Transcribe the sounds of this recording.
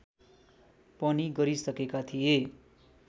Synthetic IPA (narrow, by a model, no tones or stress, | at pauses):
pʌniɡʌɾisʌkekat̪ʰije